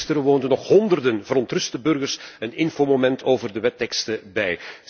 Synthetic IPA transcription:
stəɾəʋoːndənɔχhɔndərdənvəɾɔntrɵstəbɵrɣərsənɪnfoːmomɛntʰoːvərdəʋɛtːɛkstəbɛj

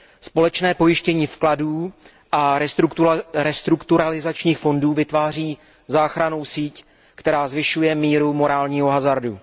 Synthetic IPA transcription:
spo̞lɛt͡ʃnɛːpo̞jɪʃcɛɲiːfkladuː | ʔa | ɾɛst̪ɾukt̪uɾalɪzat͡ʃɲiːxfo̞nduːvɪt̪vaːr̝iː | zaːxɾano̞wsiːc | kt̪ɛɾaːzvɪʃujɛmiːɾumo̞ɾaːlɲiːɦo̞ɦazaɾdṵ

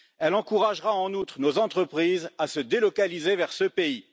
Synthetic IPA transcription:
ɛlɑ̃kuʁaʒʁaɑ̃nut̪χənozɑ̃t̪χəpχizasəd̪elɔkalizevɛʁsəpei

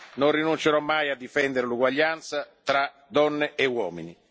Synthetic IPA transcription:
nonrinunt͡ʃeɾɔmːajad̪ːifɛnd̪eɾeluɡwaʎːant̪sat̪ɾa | d̪ɔnːeewɔːmini

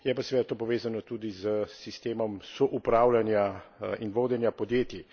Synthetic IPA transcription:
jɛpasʋeːd̪at̪oːpɔʋeːzanɔt̪ud̪izəsist̪eːmɔmsɔʔupɾaːwlanjainʋoːd̪ɛnjapɔd̪jeːt̪i

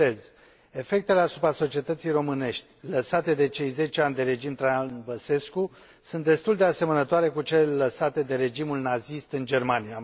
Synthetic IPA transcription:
ez | e̞fe̞k̚t̪e̞le̞asupɾaso̞t͡ʃie̞t̪ət̪sijro̞mɨne̞ʃt̪ʲləsat̪e̞d̪e̞t͡ʃe̞jze̞t͡ʃeanʲd̪e̞ɾe̞d͡ʒimt̪ɾanbəse̞sku | sunt̪̚d̪e̞st̪uld̪e̞ase̞mənət̪oaɾe̞kut͡ʃeleləsat̪e̞d̪e̞ɾe̞d͡ʒimulnazist̪ɨnd͡ʒe̞rmanija

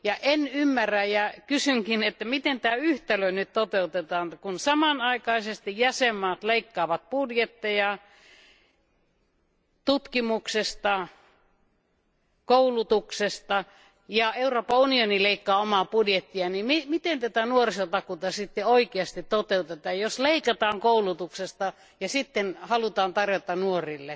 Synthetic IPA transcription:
jɑʔenymːæræjækysyŋkinet̪ːæmit̪ent̪æːyht̪æløinyt̪t̪ot̪eut̪et̪ɑːnkunsɑmɑnɑikɑisest̪ijæsemːɑːt̪leikːɑːʋɑt̪̚pudjet̪ːejɑ | t̪ut̪kimuksest̪ɑ | koulut̪uksest̪ɑ | jɑeuroːpːɑunionileikːɑːomɑpudjet̪ːiɑnimimit̪ent̪æt̪ænuorisot̪ɑkut̪ɑsit̪ːeoikeɑst̪it̪t̪ot̪eut̪et̪ɑːjjosleikɑt̪ɑːŋkoulut̪uksest̪ɑ | jɑsit̪ːenhɑlut̪ɑːnt̪ɑrjot̪ɑnuorilːe

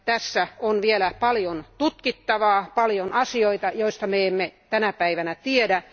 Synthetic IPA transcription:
t̪æsːæonʋielæpɑljont̪ut̪kit̪ːɑʋɑːpɑljonɑsioit̪ɑjoist̪ɑmeemːet̪ænæpæiʋænæt̪iedæ

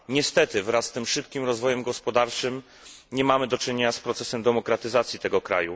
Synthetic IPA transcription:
ɲɛst̪ɛt̪ɘvɾasːt̪ɘmʂɘpkʲimɾɔzvɔjɛmɡɔspɔd̪aɾt͡ʂɘm | ɲɛmamɘd̪ɔt͡ʂɘɲeɲaspɾɔt̪sɛsɛmd̪ɛmɔkɾat̪ɘzat̪sʲjit̪ɛɡɔkɾa̰ju

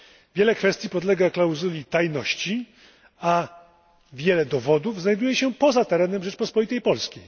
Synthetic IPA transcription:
vʲjɛlɛkfɛst̪ʲipɔd̪lɛɡaklawzulʲit̪ajnɔɕt͡ɕi | a | vʲjɛlɛd̪ɔvɔd̪uvznajd̪ujɛɕɛpɔzat̪ɛɾɛnɛmʐɛt͡ʂpɔspɔlʲit̪ɛjpɔlskʲej

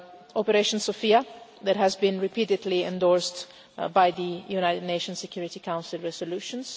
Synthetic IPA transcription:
ɔpɛɾeʃɔ̃nsɔfiaðæthæzbĩnɹɪpididliɛ̰̃ndɔɹst | bajðijunajtədneɪʃɔ̃nsɛkʰjuɹitikãw̃nsɪlɹɛsɔluʃɔ̃ns

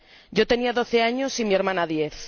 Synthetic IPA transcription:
ɟ͡ʝo̞t̪e̞niaðo̞θeaɲosimie̞ɾmãnaðjeθ

